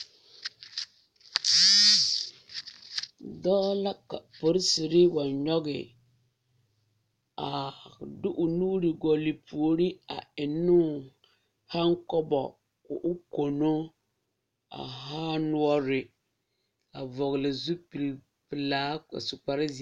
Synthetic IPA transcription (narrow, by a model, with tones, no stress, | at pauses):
dɔː˦la˦ka̰˨pʊ˦ɾɪ˦sɪ˨ɾɪ˦wa˨nɲɔ˦ɣɪ̰˨ | a˨dʊ˦ʔʊ˨nuː˦ɾɪ˨ɡɔ˨lɪ˨pʰu˨o˨ɾi˦a̰˨ɪ˨nːʊ˦ | ha˦ŋkɔ˦bɔ̰˨ | ʊ̰˨ʔʊ˦ko˨no˦ | a̰˨ɦaː˦nʊ˦ɔ˦ɾɪ˨ | a˨vɔ˨ɣɪ˨lɪ˨zu˦pi˨l | pɪ˨la̰ː˦˨sʊ˨k͡pa˨ɾɪ˦z